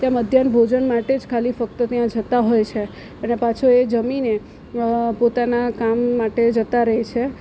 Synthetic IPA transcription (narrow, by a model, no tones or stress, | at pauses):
t̪jãməd̪ʱjanbʱod͡ʒənmaʈed͡ʒkʰalifək̚t̪ət̪jãd͡ʒət̪aɦojt͡ʃʰe | ənepat͡ʃʰoed͡ʒəmine | pot̪anakamːaʈed͡ʒət̪aɾəɦet͡ʃʰe